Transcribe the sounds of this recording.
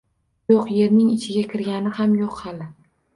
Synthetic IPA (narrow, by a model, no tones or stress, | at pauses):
joqje̞ɾnɪŋɪt͡ʃʰɪɡʲakʲʰɪɾɡʲanɪhamjoqhalɪ